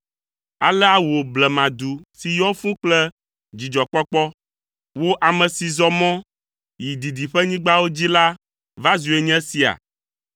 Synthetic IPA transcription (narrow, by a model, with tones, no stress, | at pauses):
a˨lɛ˦a˦wo˨blɛ˨mã˨d̪u˨si˨jɔ˦fũ˦k͡plɛ˦ | d͡ʑi˨d͡ʒɔ˨k͡pɔ˦k͡pɔ˦ | wo˦ʔa˨mɛ̃˨si˨zɔ˨mɔ̃˦ | ji˨d̪i˨d̪i˨ɸɛ˦ɲĩ˦ɡ͡ba˦wo˦d͡ʑi˦la˦ | va˦zu˨e˨ɲɛ̃˦si˨a̰˨